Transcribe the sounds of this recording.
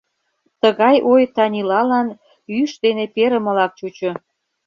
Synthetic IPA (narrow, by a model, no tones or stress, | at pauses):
t̪əɣɑjʔojt̪ɑnʲilɑlɑn | yʃd̪enepeɾəmə̆lɑk̚t͡ɕut͡ɕo